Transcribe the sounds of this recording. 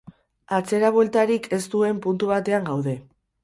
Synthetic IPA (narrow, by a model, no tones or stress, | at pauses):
at͡se̞ɾaβwe̞lt̪aɾikʰe̞st̪ue̞mpunt̪uβat̪e̞aŋɡawðe̞